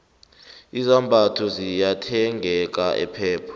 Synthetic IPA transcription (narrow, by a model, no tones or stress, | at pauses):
izambʱatʰɔzijatʰɛŋʱɛk̬ʼaʔɛ̰pʰɛːpʰɔ̥